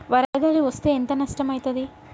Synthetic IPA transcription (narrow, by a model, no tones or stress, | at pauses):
ʋɐɾɐːɐd̪aːliʋɐst̪eːent̪ɐnɐsʈɐmɐjt̪ɐd̪i